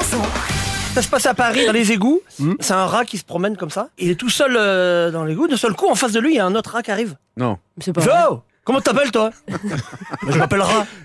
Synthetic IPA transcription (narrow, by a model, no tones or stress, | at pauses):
sasasə̥pasapaʁid̪ɑ̃lezeɡusɛt̪ɛ̃ʁakʲisə̥pχɔmɛnkɔmsailɛt̪usœlød̪ɑ̃leɡud̪ɛ̃sœlkuɑ̃fas̬d̪əlɥijaɛ̃not̪χəʁakʲiaʁiv | nɔ̰̃ | sɛpʒo | kɔmɑ̃t̪yt̪apɛlt̪wa | baʒəmapɛlʁa